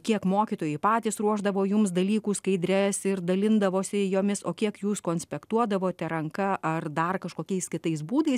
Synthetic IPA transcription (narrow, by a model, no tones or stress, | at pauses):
kʲiɛkmoːkʲiːt̪oːjʊɪpɑːt̪ʲiːsɾuɔʒd̪ɐʋoːjʊmsd̪ɐlʲiːkuːskɐɪd̪ʲɾʲɛsɪrd̪ɐlʲɪnd̪ɐʋoːsʲɪjoːmʲɪsoːkʲiɛkjuːskoːnʲsʲpʲɛkt̪uɔd̪ɐʋoːt̪ʲɛɾɐŋkɐʔɐrd̪ɐrkɐʃkoːkʲɛɪskʲɪt̪ɐɪs̬buːd̪ɐɪs